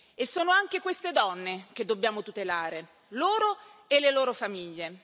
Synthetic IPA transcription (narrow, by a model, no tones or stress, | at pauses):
esːoːnoaŋk̟ekwest̪ed̪ɔnːek̟ed̪ːobːjaːmot̪ut̪elaːɾe | loːɾoelːeloːɾofamiʎːe